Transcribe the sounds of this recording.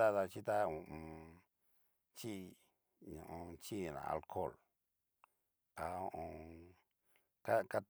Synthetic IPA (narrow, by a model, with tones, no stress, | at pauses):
a˦ða˧t͡ʃi˦t̪a˦˧ũ˨ʔ | t͡ʃi˦ | ɲṵ̃˨ʔõ˧t͡ʃi˦ĩ˧˨nã̰˨a̰˧lkʰo˦˨l | a˧õ˧ʔõ˧ | ka˦ka˧